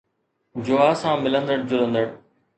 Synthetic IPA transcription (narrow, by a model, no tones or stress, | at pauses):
d͡ʑoaːsãːmɪlə̃nd̪əɽd͡ʑʊlə̃nd̪əɽ